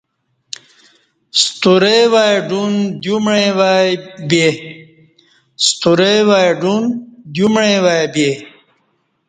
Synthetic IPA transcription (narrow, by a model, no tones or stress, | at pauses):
st̪uɾejwajɖund̪jumɻẽwajbe | st̪uɾewajɖund̪jumɻẽwabe